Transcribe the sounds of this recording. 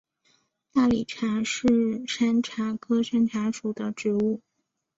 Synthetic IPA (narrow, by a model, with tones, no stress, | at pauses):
t̪a˥˩li˨˩ʈ͡ʂʰa˧˥ʂɻ̩˥˩ʂa˥nʈ͡ʂʰa˧˥kʰɤ˥ʂa˥nʈ͡ʂʰa˧˥ʂu˨˩d̪ə˦ʈ͡ʂɻ̩˧˥u˥˩